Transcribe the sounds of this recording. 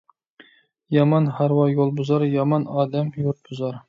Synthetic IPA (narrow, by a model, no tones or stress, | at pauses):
jɑmɑnhæɾwɑjolˠbʊzɑɾjɑmɑnɑːd̪ɛmjuɾt̪̚bʊzɑɾ